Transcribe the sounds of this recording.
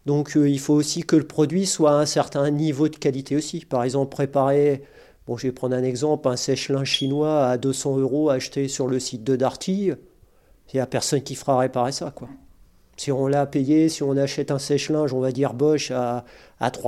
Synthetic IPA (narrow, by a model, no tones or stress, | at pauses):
d̪ɔ̃kʰilfoːsikələpχɔd̪ɥiswaɛ̃sɛʁt̪ɛ̃nivod̪əkʲalit̪ʰeosipaʁɛɡzɑ̃pχepaʁe | b̥ɔ̃ʒəvɛpχɑ̃d̪ʁɛ̃nɛɡzɑ̃plɛ̃sɛʃlɛ̃ʃinwaːd̪øsɑ̃øʁoaʃt̪esyʁləsit̪̚d̪əd̪aʁt̪ʰi | eapɛʁsɔnkʲifəʁaʁepaʁesakwa | siɔ̃lapejesiɔ̃naʃɛt̪ɛ̃sɛʃlɛ̃ʒɔ̃vad̪iʁbɔʃa̰ː | t̪χwa